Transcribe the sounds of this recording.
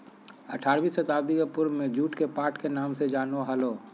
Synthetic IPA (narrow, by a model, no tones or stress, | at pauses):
ɐʈʰaːɾʋiːsət̪aːwd̪ikəpʊɾmẽd͡ʒuːʈkepaːɾʈkenaːmsed͡ʒaːnoɦaloː